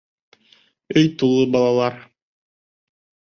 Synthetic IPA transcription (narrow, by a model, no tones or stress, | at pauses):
ɵjt̪ulˠɤbɑlˠɑlˠɑɾ